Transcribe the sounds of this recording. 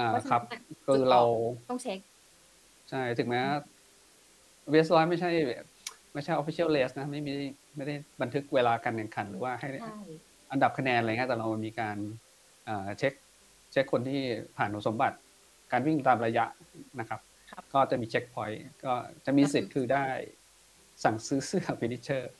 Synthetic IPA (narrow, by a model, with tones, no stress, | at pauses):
ʔaː˨˩˧kʰɾa˦˥p̚kʰɯː˧ɾa˧wɔ˥˩ŋ̚˦˥ | t͡ɕʰa˥˩jt̪ʰɯ˨˩˦ŋmɛː˦˥wa˥˩ | we˦˥slɔː˦˥jma˥˩jt͡ɕʰa˥˩j | ma˥˩jt͡ɕʰa˥˩ʔfi˧˦t͡ɕʰi˥˨˩wleː˦˥sna˦˥ma˥˩jmi˥˩a˥˩jma˥˩jda˥˩jba˧nt̪ʰɯ˦˥k̚weː˧laː˧ka˧nja˨˩ŋkʰa˨˧˩nɾɯː˩˦waː˥˩ɦa˥˩j | ʔa˧nda˨˩p̚kʰa˧nɛː˧nla˧˨ŋi˦˥˩t̪ɛː˨˩ɾa˧wma˩miː˧kaː˧n | ʔɤː˨˩t͡ɕʰe˦˥k̚ | t͡ɕʰe˦˥kʰːo˧nt̪ʰiː˥˩pʰaː˨˩nʰu˨˦˥so˩˦mba˨˩t̪̚ | kaː˧nwi˥˩ŋt̪aː˧mɾa˧ja˦˥ʔna˦˥kʰa˦˥p̚ | kɔː˥˩t͡ɕa˨˩miː˧t͡ɕʰe˦˥k̚pʰɔ˦˥jkɔː˥˩t͡ɕa˨˩ʔmiː˧si˨˩t̪̚kʰɯː˧daː˥˩j | sa˨˩ŋsɯː˦˥sɯ˥˩ɐpʰi˧ni˦˥t͡ɕʰɤː˥˩